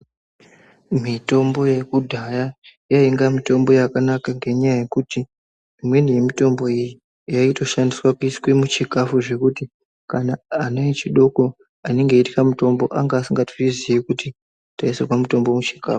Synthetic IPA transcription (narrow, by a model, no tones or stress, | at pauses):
mito̞mbo̞je̞kudʱajajaiŋɡamito̞mbo̞jakanakaŋɡe̞ɲajaje̞kutiː | mwe̞nije̞mito̞mbo̞iji | jaito̞ʃandiswakuiskwemut͡ʃikafuʐe̞kuti | kanaːnait͡ʃiɗo̞ko | ane̞ŋɡeiti̥kamuto̞mbo̞ʔaŋɡaːsiŋɡatu̥iziikuti | taisekwamuto̞mbo̞mut͡ʃi̥kaːfu̥